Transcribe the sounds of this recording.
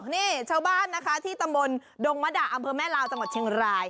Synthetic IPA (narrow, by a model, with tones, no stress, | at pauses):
niː˥˩t͡ɕʰaː˥˩wbaː˥˩nːa˦˥kʰa˦˥t̪ʰiː˥˩t̪a˧mbo˧ndoː˧ŋma˦˥da˨˩ʔa˧mpʰɤː˧mɛː˥˩laː˧wt͡ɕa˧ŋwa˨˩t͡ɕʰi˧əŋɾaː˧j